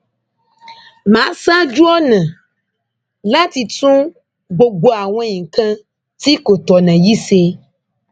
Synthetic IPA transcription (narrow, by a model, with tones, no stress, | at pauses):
mã˨˦sa˦d͡ʒu˦ɔ˦nɛ̃˨ | la˦t̪i˨tũ˦ | ɡ͡bo˨ɡ͡bo˦a˨w̃ɛ̃˦ɲĩ˨ŋ˨kã˦ | t̪i˦ko˨t̪ɔ˨nɛ̃˨ji˦se˦